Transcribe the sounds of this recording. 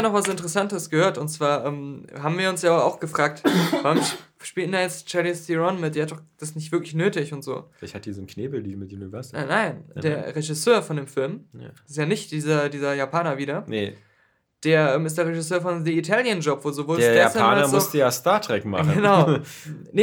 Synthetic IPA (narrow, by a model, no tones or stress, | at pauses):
anɔχv̥asɪntəʁɛsantəsɡ̥əhøːɐtʊntt͡sv̥aːɐʔɛːmɦaːbm̩viːɐʊnsjaːa̰ʊxɡ̥əfʁ̥aːk̚tvaʁʊmʃpiːltndajɛt͡st͡ʃaɐlistiʁɔnmɪt̚d̥eːɐhatd̥ɔχd̥asnɪç̬tv̥ɪɐklɪçnøːtɪçʊntz̥o̰ːɪlaçhat̚d̥iːzonkneːbl̩liːmɪtjunivɛɐznaɪndeːɐʁeʒɪsøːɐfɔndeːmfɪlmsɪsjaːnɪçtd̥iːzɐdiːzɐjaːpʰaːnɐviːdɐnḛ | d̥eːɐʔɛːmɪstd̥eːɐʁeʒɪsøːɐfɔnðəitʰaːljənd͡ʒɔpvoːzovoːldeɐdjɛasəaːanɐmʊʊstəjaːstaɐtʁ̥ɛkma̰χɡnənaʊnə